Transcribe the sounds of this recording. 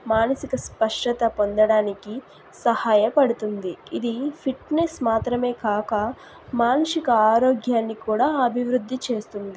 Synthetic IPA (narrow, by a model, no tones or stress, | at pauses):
maːnɐsikɐspɐʂʈɐt̪ɐpo̞nd̪ɐɽaːniki | sɐhaːjɐpɐɽut̪und̪iid̪ipʰiʈnesmaːt̪ɾɐme̞ːkaːkɐ | maːnɐʂikɐaːɾoːɡjaːnːikuːɽaːɐbʱiʋɾud̪ʱːit͡ʃe̞ːst̪und̪i